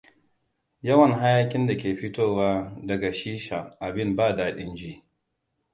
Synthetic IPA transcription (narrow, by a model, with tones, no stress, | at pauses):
jɐ˦wɐ˨ŋɦa˦jaː˦kʲʼɪ˦nda˨kʲeː˨ɸɪ˦toː˦waː˦dɐ˨ɡa˨ʃiː˦ʃa˨ʔa˨bɪ˦mbaː˦daː˨ɗɪ˦nd͡ʒiː˦